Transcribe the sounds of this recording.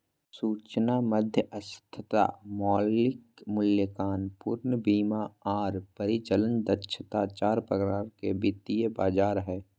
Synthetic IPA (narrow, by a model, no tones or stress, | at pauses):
suːt͡ʃnaməd̪ʱjəʔɐst̪ʰət̪a̰mɔːlɪkmʊljəkaːnpuːɾnəbiːmaaːɾpəɾɪt͡ʃələnd̪ətːʃʰət̪at͡ʃaːɾpɾəɡɾaːɾkebɪt̪ijəbaːd͡ʒaːɾɦɛː